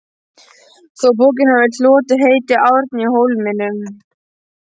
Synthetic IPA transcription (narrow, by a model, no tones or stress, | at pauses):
θɔp̬oːc̬ɪnhavɪl̥ɔːt̪ɪɦeːjt̪ɪawɾt̪niɦowlmɪnʏm